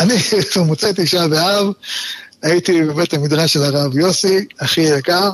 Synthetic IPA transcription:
animot͡set̪iʃabeav | ait̪ibemet̪lamid̪ʁaʃelaʁavjo̞siaχijakaʁ

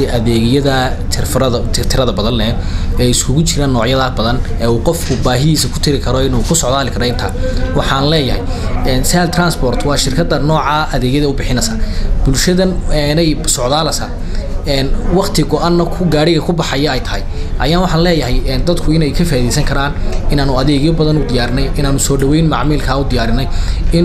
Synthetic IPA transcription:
iʔɐðɛːɣjɐðɐt͡ʃʰɪrfɾɐðɐt͡ʃ̪ʰɪrt̪ʰɪɾɐðɐbɐðɐnːɛː | ɛːɪskʰʊɣʊt͡ʃʰɪɾaːnːɔːʕjɐðaːbɐðɐn | ɛːuːqɔfkʰʊbaːɦɪðiːsɐkʰʊ̥t̪ʰɪɾɪkʰɐɾɔɪnuːkʰʊsɔʕðaːlɪkʰɐɾɔɪnt̪ʰa̰ːwɑħɑːnlɛːjɐɦɛ̰j | ɛːnsaːlt̪ʰraːnsbɔːrt̪ʰwɑːʃɪrkʰɐd̪ɐnɔːʕɑːʔɐðɛːɣjɐðɐʊbɪħɪnɐsɐːb̥ʊlʃɐðɐnɛnɛjsɔʕdaːlɐsa̰ | ɛːnwɑqt̪ʰɪɡɔʔanːɐkʰʊɡaːɽɪɣɐkʰʊbɑħɑjɐɛjt̪ʰɐhɛjʔɐjaːnwɑħɑnlɛːjɐɦɛjɛd̪ɐd̪kʰʊɪnɛjkʰɐfaːiðɛjsɐŋkʰɐɾaːnɪnaːnʊɐðɛːɣjɔbɐðɐnʊd̪ɪjaːɾɪnɛjʔɪnaːnʊsɔːɖɐwɛjnmɑʕmɪːlkʰaːʊd̪ɪjaːɾɪnɛjɪn

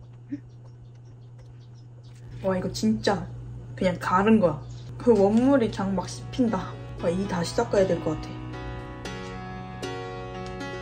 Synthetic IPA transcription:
waiɡʌt͡ɕint͡ɕ͈akɯɲaŋkaɾɯnɡʌkɯwʌnːuɾikjaŋmak̚ɕʰi̥pʰindawaitaɕʰi̥s͈ʌk͈ajadweɭk͈ʌk͈atʰe̞jo

